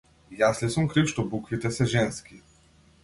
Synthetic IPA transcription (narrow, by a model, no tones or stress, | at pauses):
jaslʲɛsɔmkɾɨfʃt̪ɔbukvit̪ɛsɛʒɛnskʲi